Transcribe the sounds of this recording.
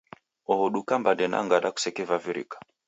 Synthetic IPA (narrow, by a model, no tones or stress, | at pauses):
ɔhɔɗukambandɛna̰ŋɡaɗaku̥sɛkɛvaviɾḭkḁ